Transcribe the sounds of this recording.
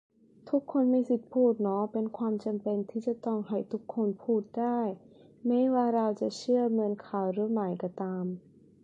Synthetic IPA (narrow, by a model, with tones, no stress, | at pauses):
t̪ʰu˦˥kʰːo˧nmiː˧si˨˩t̪̚pʰuː˥˩t̪̚nɔ˦˥pe˧nkʰwaː˧mt͡ɕa˧mpe˧nt̪ʰiː˥˩t͡ɕa˨˩t̪ɔ˥˩ŋɦa˨˩jt̪ʰu˦˥kʰːo˧npʰuː˥˩t̪̚daː˥˩j | mɛ˥˩jwaː˧˥˩ɾa˧wt͡ɕa˨˩t͡ɕʰɯ˥˩ɐŋɤ˧nkʰaː˨˩wɾɯː˨˦˥maː˩˦jkɔ˧˩t̪aː˧m